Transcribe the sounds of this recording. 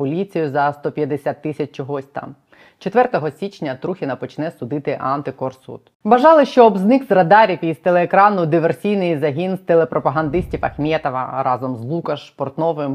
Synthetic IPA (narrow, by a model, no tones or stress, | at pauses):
pɔlʲit͡sʲijʊzɐst̪ɔpʲjɐd̪esʲat̪ːɪsʲɐt͡ʃʲt͡ʃɔɦɔsʲt̪ɑ̰m | t͡ʃet̪ʋɛrt̪ɔɦɔsʲit͡ʃnʲɐt̪ɾuxʲinɐpɔt͡ʃnɛsʊd̪ɪt̪ɪʔɑnt̪ɪkɔrsṵt̪ | ʋɐʒɑlˠɪʃt͡ʃɔːbznɪkzrɐd̪ɑɾʲifʲist̪elˠeːkɾɑnʊd̪ɪʋersʲijnɪjizɐɦʲinst̪elˠepɾʔɔpɐɦɐnd̪ɪsʲtʲifɐxmʲɛt̪ɐʋɐ̰ɾɑzɔmzlˠukɐʃspɔrt̪nɔʋɪm